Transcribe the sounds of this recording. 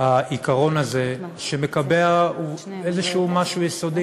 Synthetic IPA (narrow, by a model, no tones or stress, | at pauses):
haʔikaʁo̞naze̞ʃeme̞kabeau | ezeʃumaʃujesod̪i